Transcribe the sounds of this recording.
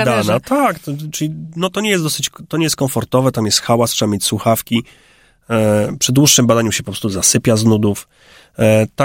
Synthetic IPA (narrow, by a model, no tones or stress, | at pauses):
d̪anat̪ak̪t͡ʂɘlʲinɔt̪ɔɲɛjɛsd̪d̪ɔsɘt͡ɕt̪ɔɲɛjɛst̪kɔmfɔɾt̪ɔvɛt̪amjɛst̪xawastʂɛbamʲjet͡ɕswuxafkʲi | pʂɛd̪wuʂːɘmbad̪aɲuɕɛpɔpɾɔ̥st̪uzasɘpʲaznud̪uf | t̪a